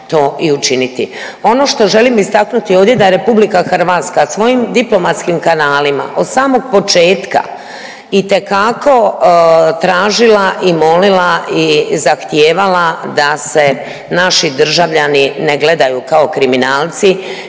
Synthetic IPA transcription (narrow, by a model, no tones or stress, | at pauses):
t̪o̞ːʔiut͡ʃinit̪i | o̞no̞ʃt̪o̞ʒe̞limist̪aknut̪io̞ːʋd̪ʲje̞d̪ajeɾe̞publikaxɾʋat̪skasʋo̞jimd̪iplo̞mat̪skimkanaːlima̰ʔo̞d̪saːmo̞ɡ̚po̞t͡ʃe̞ːt̪ka̰ | it̪e̞kako̞ | t̪ɾaːʒilaʔimo̞lilaizaxt̪jeːʋalad̪ase̞ | naʃid̪r̩ʒaʋʎanineɡle̞d̪ajukao̞kɾiminaːlˠt̪si